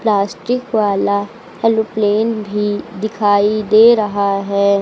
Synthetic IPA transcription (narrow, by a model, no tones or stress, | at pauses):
plaːsʈɪkʋaːla | hɛlopleːnbʱid̪ɪkʰaːid̪eːɾɐɦaɦɛː